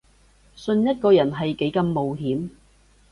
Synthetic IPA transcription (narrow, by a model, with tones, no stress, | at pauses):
sɵ˧njɐ˥t̚kɔː˧jɐ˨˩nɦɐ˨jke˨˥jkɐ˨˧mːo˨wɦiː˨˥m